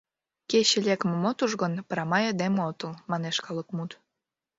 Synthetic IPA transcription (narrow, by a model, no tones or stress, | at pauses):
keɕĕlʲekmə̆mot̪uʒɣə̆npəɾɑmɑjed̪emot̪ə̆lmɑneʃkɑləkmut̪